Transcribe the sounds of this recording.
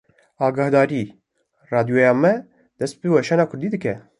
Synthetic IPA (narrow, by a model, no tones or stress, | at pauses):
ɑːɡɑhd̪ɑːɾiː | rɑːd̪ijojɑːmɛ | d̪̥ɛst̪̚bɨwɛʃɛnɑːkʰʊɾd̪iːd̪ɨkɛ